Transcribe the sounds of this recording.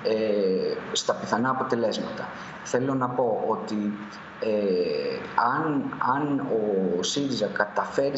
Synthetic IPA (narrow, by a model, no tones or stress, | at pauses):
e | st̪ɐpiθɐnɐːpo̞t̪e̞le̞zmɐt̪ɐ | θe̞lo̞nɐpo̞ʔo̞t̪i | e | ɐnɐno̞siɾizɐkɐt̪ɐfe̞ɾi